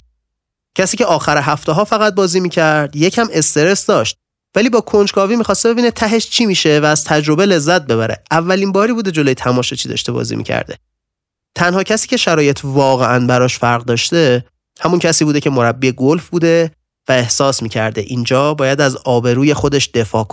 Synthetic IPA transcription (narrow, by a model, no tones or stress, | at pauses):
cʰæsiːcʰeɒːxæɾeɦæft̪eɦɒːfæɣæt̪̚bɒːziːmiːcʰæɾd̪̥je̞cʰæme̞st̪e̞ɾe̞sd̪ɒːʃt̪̚ | væliːbɒːkʰo̞nd͡ʒkʰɒːviːmixɒːst̪ebe̞biːnet̪ʰæɦe̞ʃt͡ʃʰimiːʃe̞væːz̥t̪ʰæd͡ʒɾo̞bele̞zːæt̪̚be̞βæɾe̞̰ævːælinbɒːɾibuːd̪e̞d͡ʒo̞lojet̪ʰæmɒːʃet͡ʃʰiːd̪ɒ̰ʃt̪ebɒ̰ːzḭmḭcʰæ̰ɾd̪e̞̰ | t̪ʰænhɒːcʰæsiːcʰe̞ʃæɾɒːje̞t̪ʰvɒːɣe̞ʔænbæɾɒːʃfæɾɣd̪ɒːʃt̪e̞ | hæmuncʰæsiːbuːd̪e̞cʰe̞mo̞ɾæbːiːeɡolfbuːd̪e̞ | væe̞hsɒːsmiːcʰæ̰ɾd̪eʔind͡ʒɒːbɒːjæd̪æzɒːbe̞ɾuːje̞xod̪eʃd̪̥e̞fɒ̰ːko